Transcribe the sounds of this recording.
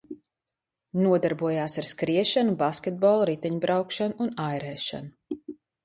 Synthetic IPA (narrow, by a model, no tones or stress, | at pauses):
nuɔd̪aɾbuɔjaːsaɾskɾiɛʃanubaskʲɛt̪̚bɔːlˠɾit̪ɛɲbɾʔawkʃanuunajɾɛːʃa̰nu